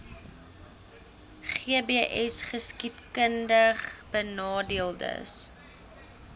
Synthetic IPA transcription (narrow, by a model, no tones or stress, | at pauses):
χiəbeʔɛsχəskipkəndəχb̥ənɑːdiəlˠdə̰s